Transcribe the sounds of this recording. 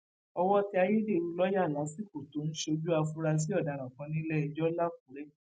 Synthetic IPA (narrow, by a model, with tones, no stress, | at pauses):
ɔ˧wɔ˦ti˧a˧je˦de˦˨ɾu˧˦lɔ˦ja˦˨la˨˦si˦˨ko˨to˨˦ñ̩˦ʃo˧d͡ʒu˦a˧fu˦ɾa˧s̬i˦ɔ˦˨da˨ɾã˨kã˧nĩ˦lɛ˦ɛ˧˨d͡ʒɔ˦la˦ku˨˦ɾɛ˦